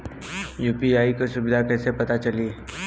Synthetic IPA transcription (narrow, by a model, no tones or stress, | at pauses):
juːpiaːikosʊbɪd̪ʱakɛːsepɐt̪at͡ʃɐli